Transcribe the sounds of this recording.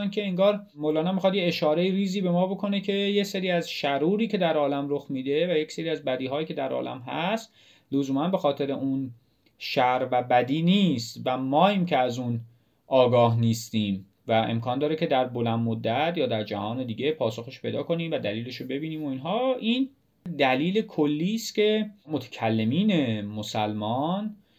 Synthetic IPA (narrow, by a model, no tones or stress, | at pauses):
ncʰe̞eŋɡɒːɾ | moːlɒːnæmixɑd̪jeeʃɒːɾe̞jiɾiːziːbe̞mɒːbo̞kʰo̞ne̞cʰe̞jeseɾiːæzʃæɾuːɾiːce̞d̪æɾɒːlæmɾoxmiːd̪e̞væjecseɾiːæzbæd̪iːɦɒːjiːcʰed̪æɾɒ̰ːlæ̰mɦæst̪ | lozuːmænbe̞xɒːt̪ʰe̞ɾe̞ʔun | ʃæɾvæbæd̪iːniːst̪væmɒːiːmcʰeæzuːn | ʔɒːɡɒːɦniːst̪iːm | væʔe̞̰mkʰɒːnd̪ɒːɾecʰe̞d̪æɾbo̞lænmod̪ːæt̪ʰjɒːd̪æɾd͡ʒæhɒːne̞d̪iːɡe̞pʰɒːso̞xeʃpʰe̞jd̪ɒːko̞niːmvæd̪æliːle̞ʃobe̞biːniːmo̞iːnɦɒːʔiːn | d̪æliːlekʰolːiːst̪cʲe̞mo̞t̪ʰæ̥cʰælːe̞miːne̞mosælmɒn